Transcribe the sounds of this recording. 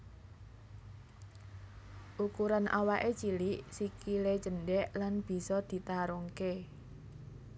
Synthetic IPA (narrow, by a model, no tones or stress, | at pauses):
ʔukuɾanʔa̰waʔet͡ʃiliʔsikiled͡ʒə̤nɖɛʔlanb̥i̤sɔd̪̥i̤t̪aɾɔŋke